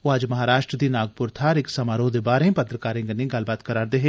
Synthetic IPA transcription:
oad͡ʒmɐɦaːɾaːʃɾəd̪inaːɡ̚pʊɾt̪ʰaːɾɪksɐmaːɾod̪ebaːɾẽpɐt̪ɾəkaːɾẽŋɡənĩɡɐlbaːt̪kɐɾaːɾd̪eɦɛ̃ː

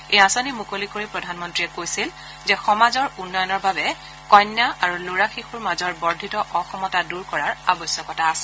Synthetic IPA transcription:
ejasonimukolikoɹipɹɔdʱanmɔntɹijɛkojsil | zɛxɔmazɔɹunːɔjɔnɔɹbabɛ | kɔjnjaaɹuloɹaxixuɹmazɔɹbɔɹdʱitɔʔɔxɔmɔtaduɹkɔɹaɹa̰bɔsjɔkɔtaːsɛ̥

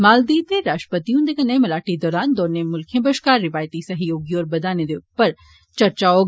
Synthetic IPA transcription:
maːld̪iːt̪eɾaːʃʈəpət̪ijũnd̪ekɐnemɐlaːʈid̪ɔːɾaːnd̪oːnemʊlkʰjẽbəʃkaːɾːɪʋaːjt̪isɐɦjoːɡjɔːɾbɐd̪aːned̪eʊpːəɾ | t͡ʃɐɾt͡ʃao

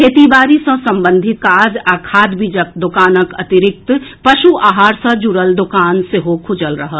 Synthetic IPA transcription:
kʰeːt̪ibaːɾisə̃sɐ̃mbə̃nd̪ʱɪt̪̚kaːd͡ʒakʰaːd̪bid͡ʒək̚d̪ʊkaːnəkɐ̰t̪ɪɾɪk̚t̪pɐʃuaːɦaːɾsɐ̃d͡ʒuɾəld̪ʊkaːnseɦokʰʊd͡ʒəlɾəɦə

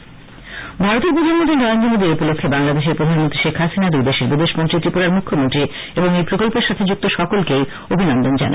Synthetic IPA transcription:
bʱaɾot̪eɾpɾod̪ʱanmõd̪iɾnɔeond͡ʑonid̪eɾupolokʰːebaŋlad̪eʃ̬eɾpɾod̪ʱanmont̪ɾiʃekʰɦasinad̪ujd̪eʃeɾbid̪eʃmont̪ɾit̪ɾipoɾaɾmukʰːomont̪ɾi | eboŋejpɾokolpeɾʃat̪ʰed͡ʑuk̚t̪oʃɔkolkej | obʱinɔnd̪ond͡ʑa̰nʔa̰

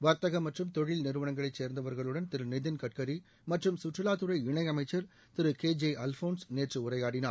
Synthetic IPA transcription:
ʋɐɾt̪ɐɣɐmːɐʈrɯmt̪ɔɻɪlnɪɾɯʋɐɳɐŋɡɐɭɐɪt͡ʃseːɾnd̪ɐʋɐɾɣɐɭɯɽɐnt̪ɪɾɯnɪðɪnkɐʈ̚kɐɾi | mɐʈrɯmsʊʈrɯlaːt̪ɯɾɐɪɪɳɐɪɐmɐɪt͡ʃːɐɾ | t̪ɪɾɯkeːd͡ʒeʔɐlfoːnsneːʈrɯʊrɐɪjaːɽɪna̰ːɾ

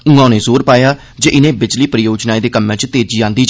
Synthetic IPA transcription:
ʊ̃ŋãːnẽːsoːɾpaːjaː | d͡ʒeːʔɪnẽːbɪd͡ʒliːpɾəjoːd͡ʒnaːeːd̪eːkəmːẽt͡ʃt̪eːd͡ʒiːãːnd̪iːd͡ʒ

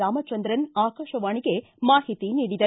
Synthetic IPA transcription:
aːmɐt͡ʃːɐnd̪ɾɐnaːkaːʃɐʋaːɳɪɣeː | maːɦɪt̪ːiniɽɪðɐ

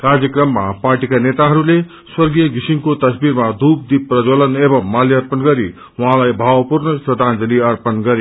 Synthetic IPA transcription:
karjʌkrʌmːapaɾʈikanet̪aɦʌɾule | swʌrɡijʌɡisimkot̪ʌsbiɾmad̪up̚d̪iprʌd͡zolʌnebʌmːaljʌʌrpʌnɡʌɾi | wʌɦãlajbʱawpurnʌsrʌd̪ʱãnd͡zʌliʌrpʌnɡʌɾe

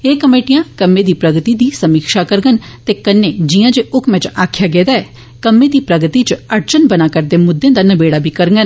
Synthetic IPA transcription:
eːkəmeːʈɪjãːkəmːẽːd̪iːpɾəɡt̪iːd̪iːsəmiːkʃaːkəɾɡənt̪eːkənːeːd͡ʒɪjãːd͡ʒeːʔʊkʰmɛ̃t͡ʃaːkʰjaːɡɛːd̪aːɛː | kəmːẽːd̪iːpɾəɡət̪it͡ʃəɾt͡ʃənbənaːkəɾd̪eːmʊd̪ːẽːd̪aːnəbeːɽaːbʱiːkəɾŋɡən

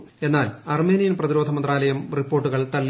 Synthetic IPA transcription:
e̞nːaːlɐrme̞ːnijɐnprɐðiɾo̞ːd̪ʱɐmɐnd̪raːlɐjɐmripːo̞ːʈːuɣɐɭt̪ɐlː

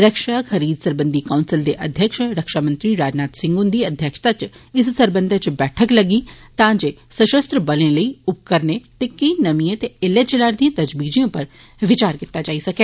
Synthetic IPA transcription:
ɾɐkʃakʰɐɾiːd̪sɐɾbə̃nd̪ʱikaʊnsɪld̪eʔɐd̪ʱjəkʃɾɐkʃamə̃nt̪ɾiɾaːd͡ʒnaːt̪sɪ̃ŋɡũnd̪iɐd̪ʱjəkʃt̪at͡ʃɪssɐɾbə̃nd̪ʱət͡ʃbɛːʈʰəklɐɡit̪ãːd͡ʒe | sɐʃəst̪ɾəbɐlẽləiʊp̚kəɾnet̪ekɐinɐmiẽt̪eɪlːet͡ʃɐlaːɾd̪iẽt̪ɐd͡ʒbiːd͡ʒijõpɐɾ | ʋɪt͡ʃaːɾkɪt̪ːad͡ʒaːisɐkeː

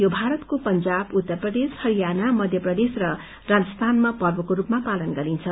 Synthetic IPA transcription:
jobʱaɾʌt̪kopʌnd͡zabut̪ːʌrprʌd̪eshʌɾijanamʌd̪ʱjʌprʌd̪esrʌ | rad͡zʌst̪ʰanmapʌrbʌkoɾupmapalʌnɡʌɾint͡sʰʌ

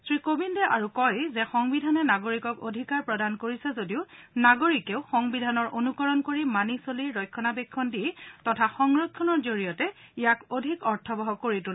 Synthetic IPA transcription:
sɹikobindɛʔaɹukɔjzɛxɔŋbidʱanɛnaɡoɹikɔkodʱikaɹpɹɔdankoɹisɛzodiʊnaɡoɹikeʊxɔŋbidʱanɔɹʔonukɔɹɔnkoɹimanisoliɹːɔjkʰːɔnabekʰːɔndiɛtɔtʰaxɔŋɹɔkʰːɔnɔɹzoɹijɔtɛijakodʱikɔɹtʰɔbɔɦɔkoɹitul

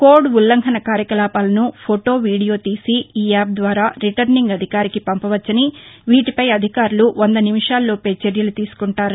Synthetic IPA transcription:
koːɾɖʋulːɐŋkʰɐnɐkaːɾjɐkɐlaːpaːlɐnupʰoʈo̞ːʋiːɽijo̞ːt̪iːsiiːaːp̚d̪ʋaːɾaːɾiʈɐɾniŋɡɐd̪ʱikaːɾikipɐmpɐʋɐt͡ʃːɐniʋiːʈipɐjɐd̪ʱikaːɾuluʋʔond̪ɐnimiʂaːlːoːpeːt͡ʃeɾjɐlut̪iːsu̥kuɳʈaːɾu

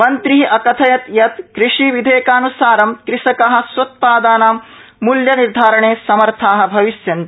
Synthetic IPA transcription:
mɐnt̪ɾiʔɐkɐt̪ʰɐjɐt̪jɐt̪kɾiʂiʋid̪ʱeːkaːnusaːɾɐmkɾɪʂɐkɐɦɐ̆swɐt̪̚paːd̪aːnaːmː | uljɐniɾd̪ʱaːɾɐɳeːsɐmɐɾt̪ʰaːɦɐ̆bʱɐʋisjɐnt̪i

